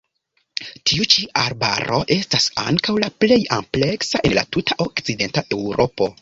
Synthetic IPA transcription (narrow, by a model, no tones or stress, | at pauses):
tʰiut͡ʃiaɾba̰ɾʔo̞̰ʔe̞stasa̰ŋkawlaple̞jample̞ksaʔela̰tutʰaʔo̞kt͡side̞ntaʔe̞wɾʔo̞po̞